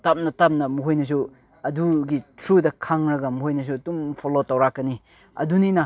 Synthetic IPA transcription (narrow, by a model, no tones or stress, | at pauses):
tap̚nɐtap̚nɐmuɦojnɐs̬u | ɐduɡitʰɾudɐkʰaŋɾɐɡɐmuɦojnɐs̬uɐtumpʰolotɐwɾakːɐni | ɐ̰duninɐ